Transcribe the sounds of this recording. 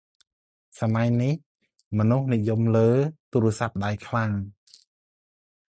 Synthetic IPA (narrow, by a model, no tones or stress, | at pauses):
samajnih | mɔnuhnijumləːt̪uːɾə̆əsap̚ɗajkʰlaŋ